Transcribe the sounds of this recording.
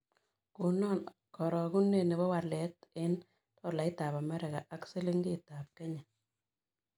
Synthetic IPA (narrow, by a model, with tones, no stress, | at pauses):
ku˨nɔ˦n | kɔ˨ɾɔ˨ɡu˦ne˨ne˨βɔ˦wa˨lɛ˨˦tɪ˦n | tɔ˦la˨i˦ta˨pa˨mɛ˦ɾɛ˨ɣa˨ʔa˦ksɪ˦lɪ˦ŋɡɪ˦ta˨p̚kɛ˦ɲa˨